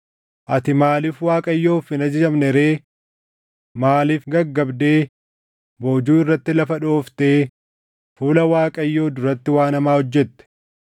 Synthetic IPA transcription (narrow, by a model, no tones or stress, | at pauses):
ʔɐt̪ɪmaːliːfwaːkʼɐjːo̞ːfɪnɐd͡ʒɐd͡ʒɐmnɛɾe̞ː | maːliːfɡɐɡːɐbd̪e̞ː | bo̞ːd͡ʒuːɪrːɐt̪ːɪlɐfɐᶑo̞ːft̪e̞ː | fuːlɐwaːkʼɐjːo̞ːd̪ʊɾɐt̪ːɪwaːnɐmaːhɔd͡ʒːɛt̪ːɛ̥